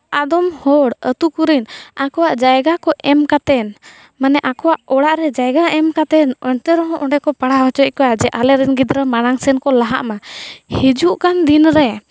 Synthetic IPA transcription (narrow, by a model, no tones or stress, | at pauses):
ad̪ɔmhɔɽət̪ukuɾinakɔwaʔd͡ʒajɡakɔʔɛmkat̪ɛn | manɛʔakɔwaʔɔɽaʔɾɛd͡ʒajɡaɛmkat̪ɛnɔɲt̪ɛɾɔɦɔ̃ʔɔɳɖɛkɔpaɽaɦɔt͡ʃɔc̚kɔwad͡ʒɛʔalɛɾɛnɡid̪ɾəmaɽaŋsɛnkɔlaɦa̰ʔmahid͡ʒuʔkand̪inɾɛ